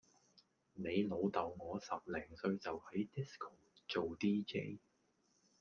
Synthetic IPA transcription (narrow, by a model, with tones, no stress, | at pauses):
ne˨˧jlo˨˧wt̪ɐ˨wŋɔː˨˧sɐ˨p̚lɛː˨˩ŋsɵ˧ɥt͡sɐ˨whɐ˨˥jt̪i˥skʰo˨˩t͡so˨wt̪iː˥ke˥j